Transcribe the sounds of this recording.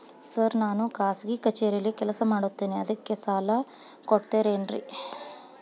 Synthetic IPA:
sɐɾnaːnukaːsɡikɐt͡ʃeːɾijɐlːikɛlɐsɐmaːɽut̪ːeːniɐd̪ɐkːe̞saːlɐ | koʈt̪eːɾeːnɾḭ

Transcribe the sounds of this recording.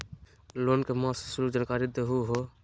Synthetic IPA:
loːnkeːmaːssʊluːkd͡ʒənkaːɾiːd̪eɦuːɦoː

